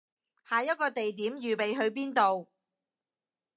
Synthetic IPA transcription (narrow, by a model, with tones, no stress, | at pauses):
haː˨˩jɐ˥t̚kɔː˧t̪e˨jt̪iː˨˥mjyː˨pe˨˧jɦɵ˨˧ɥp̬iː˥nt̪o˨w